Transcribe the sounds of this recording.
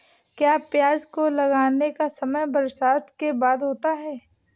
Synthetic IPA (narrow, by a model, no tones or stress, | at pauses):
kjaːpjaːd͡ʒkolɐɡaːnekasɐməjbɐɾsaːt̪kebaːd̪ɦoːt̪aɦɛː